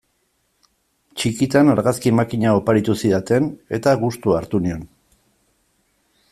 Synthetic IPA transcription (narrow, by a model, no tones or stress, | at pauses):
t͡ʃikit̪anaɾɣaskiemakiɲaopaɾit̪usiðat̪e̞ne̞t̪aɣust̪uaɾt̪unio̞n